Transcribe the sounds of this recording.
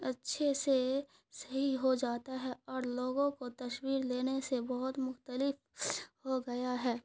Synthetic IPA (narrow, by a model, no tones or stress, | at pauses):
ɐtːʃʰese | sɐɦiɦod͡ʒaːt̪aɦɛɔːɾloːɡõkot̪ɐʃwiːɾleːnesebɐɦʊt̪mʊxt̪əlɪf | ɦoɡɐjaɦɛː